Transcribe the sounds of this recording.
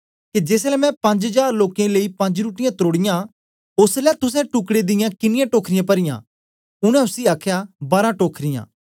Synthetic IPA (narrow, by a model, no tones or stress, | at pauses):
ked͡ʒeːslɛmɛ̃pɐ̃ɲd͡ʒɦɐd͡ʒaːɾloːkẽleːipɐ̃ɲd͡ʒɾuːʈɪjãt̪oːɽɪjã | ʊslɛt̪ʊs̬ɛ̃ʈʊkɽed̪ɪjãkɪnɪjãʈoːkʰɾɪjãpɐɾɪjã̰ː | ʊɽ̃ɛ̃ʊsiaːkʰjabaːɾãʈoːkʰɾɪjã̰ː